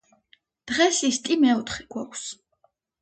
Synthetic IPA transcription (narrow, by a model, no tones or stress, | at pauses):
d̪̥ʁɛsist̪ʼimɛɔt̪ʰχiɡ̥wakʷʰs